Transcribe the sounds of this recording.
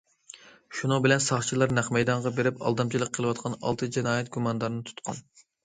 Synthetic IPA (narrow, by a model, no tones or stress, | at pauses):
ʃunɨŋbɪlɛnsɑχt͡ʃʰilˠɑɾnæχmɛjd̪ɑɴʁɑbeɾɪpɑ̰lˠd̪ɑmt͡ʃʰilˠəqqʰəlˠɨwɑt̪̚qʰɑnɑ̰lˠt̪ʰɨd͡ʒɛnɑːjɛt̪̚ɡumɑnd̪ɑɾnɨt̪ʰu̥t̪qʰɑ̰n